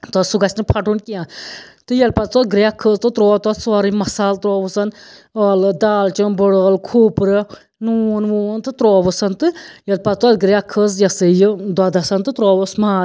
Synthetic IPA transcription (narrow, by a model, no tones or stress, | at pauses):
t̪ɔsuɡɐsʲnɨpʰɐʈunkiãt̪ɨjɐlpɐt̪̚t̪ɔt̪̚ɡɾʲakʰːəzt̪ɨt̪ɾɔːt̪ɔːt̪saːɾimɐsaːlt̪ɾɔːʋɨsɐnɐːlɨd̪aːlt͡ʃɨnbəɽəːlkʰuːpɾɨ | nunʋuːnt̪ɨt̪ɾɔːʋəsɐnt̪ɨjɐlpɐt̪̚t̪ɔt̪̚ɡɾʲakʰːəzjɐsɨjɨd̪ad̪asɐnt̪ɨt̪ɾɔːʋəsmaː